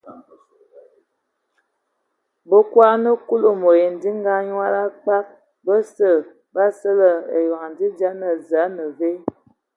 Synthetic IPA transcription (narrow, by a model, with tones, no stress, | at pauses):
bə˦kwa˦nə˦ku˦lo˨mo˨je˨n˨di˦ŋɡa˦ɲwa˦ɾa˦k͡pa˦k̚ | bə˦sə˨ | ba˦sə˦lə˨ḛ˨ja˨ŋ˨n˨di˦d͡ʒa˦nə˨za˨˦nə˨ve˦